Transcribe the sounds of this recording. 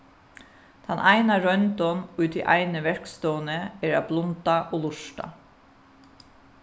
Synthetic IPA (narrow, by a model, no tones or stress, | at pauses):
t̪ʰanʔaɪnaɾœnt̪ɔnʉːt̪ʰɪ̰ʔa̰ɪnəʋɛɹkst̪ɔːnəɛːɹaːblʊnt̪aʔoːlʊʂʈa̰